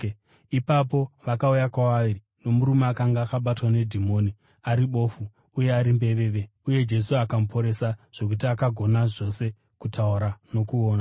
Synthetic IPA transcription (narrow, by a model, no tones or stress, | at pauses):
ipapo̞ʋakaujakwaʋaʋiri | no̞muɾumeakaŋɡaːkaɓatwane̞dʱimo̞ːni | aɾiɓo̞ːfu | uje̞aɾimbe̞ʋe̞ʋe̞ | uje̞d͡ʒe̞suakamupʰo̞ɾe̞saʐ̥o̞k̬ut̬iakaɡʱo̞naʐo̞se̞ | kutʰauɾano̞kuoːna